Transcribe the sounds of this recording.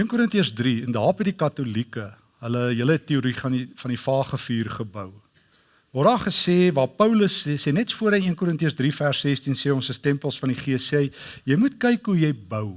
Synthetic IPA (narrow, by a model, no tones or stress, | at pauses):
iənkuɾəntiəsdriəndɑːpədikɐtulikə | ɦələjələɛtːeuɾifɐnifɐnifɑːχəfyːrχəbəw | vɔrdɑːχəseːvɑːpəwləsseːnɛtsfuəɾəniənkuɾəntiəsdrifærsːɛstinseːɔnsəstɛmpəlˠsfɐniχiəsɛjjəjmut̚kɛjkɦujəjbəw